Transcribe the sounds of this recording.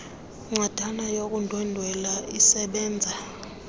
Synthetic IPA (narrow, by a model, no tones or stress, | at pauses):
ŋ͡ǀad̥ʱanajok̬ʼundʱwɛndʱwɛlaisɛɓɛːnd͡zʱa